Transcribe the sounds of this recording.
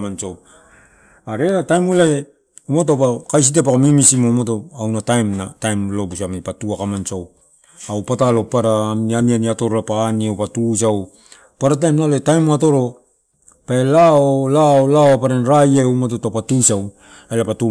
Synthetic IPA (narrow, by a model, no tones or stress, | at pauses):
manso | aɾeɾatajmulae | umotopakajs̬it̬ep̬akamimisimomotoawnatajmnatajmlo̞busamipatuakamansow | awpatalo̞paɾaːmnianianiatoɾolapaːniowpatus̬aw | paɾat̬ajmnaloetajmoato̞ɾo̞ | paelaolaolaoapaɾenɾajaumototapatusaw | ajlapatu